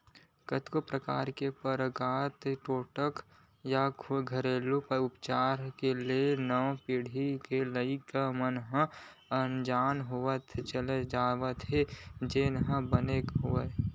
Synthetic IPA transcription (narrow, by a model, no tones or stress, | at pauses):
kət̪kopɾəka̰ːɾkepəɾɡaːt̪ʈoːʈək | jaɡʱəɾeːlupʊpt͡ʃaːɾkelienə̃piɽ̤ʱikeləikamənɦə̃ənd͡ʒaːnɦʊʋət̪t͡ʃəled͡ʒaːʋət̪ɦed͡ʒenɦə̃bənekɦʊe